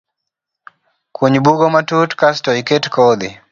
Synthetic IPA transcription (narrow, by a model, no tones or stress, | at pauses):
kʰuɲbuɡɔmatutkastɔjiketkɔd̪i